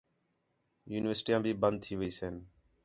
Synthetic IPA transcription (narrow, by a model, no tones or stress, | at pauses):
juːnɪʋəɾsʈiːãːbʱiːbənd̪̚t̪ʰiːʋəiːseːn